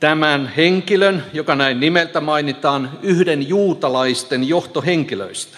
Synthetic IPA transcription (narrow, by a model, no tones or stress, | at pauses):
t̪æmænheŋkilønjokɑnæinnimelt̪æmɑinit̪ɑːnyhdenjuːt̪ɑlɑist̪enjoht̪oheŋkilø̰ist̪æ̥